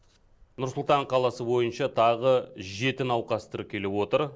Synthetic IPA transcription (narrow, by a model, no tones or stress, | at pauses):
nʊɾsʊlˠt̪ɑɴqʰɑlˠɑsəbo̞jənʃɑt̪ʰɑʁəʒe̞t̪ɪnɑwqɑst̪əɾp̚kʲʰe̞lewo̞t̪əɾ